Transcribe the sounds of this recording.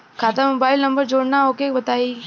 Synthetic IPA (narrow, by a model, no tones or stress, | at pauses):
kʰaːt̪amoːbaːɪlnɐ̃mbəɾd͡ʒoːɽnaɦoːkebɐt̪aːi